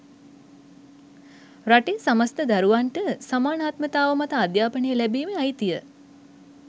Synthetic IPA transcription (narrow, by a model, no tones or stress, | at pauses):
ɾaʈesaməst̪əd̪aɾuʋaɳʈəsamaːnaːt̪mət̪aːʋəmat̪əad̪jaːpənejəlæbiːmeajt̪ijə